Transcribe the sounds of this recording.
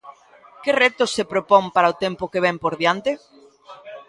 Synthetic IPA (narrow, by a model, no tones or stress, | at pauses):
kɪrɛt̪ʊsːepɾopɔŋpaɾaot̪empʊkeβ̞ɛmpoɾðjant̪e